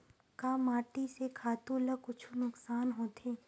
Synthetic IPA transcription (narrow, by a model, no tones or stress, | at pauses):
kaːmaːʈisekʰaːt̪ũləkʊt͡ʃʰunʊksaːnɦoːt̪ʰeː